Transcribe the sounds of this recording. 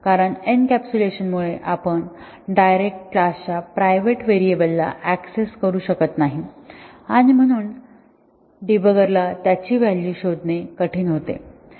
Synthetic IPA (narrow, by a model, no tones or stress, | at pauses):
kaɾəɳenkæpt͡ɕuleɕənmuɭeʔapəɳ | ɖajɾek̚ʈklast͡ɕapɾajʋeʈʋeɾiebəlːa̰ʔækseskəɾuːɕəkət̪naɦiaɽ̃im̤əɽ̃uːn | ɖibəɡəɾlat̪jat͡ɕiːʋæljuːɕod̪nekəʈʰiːnɦot̪ḛ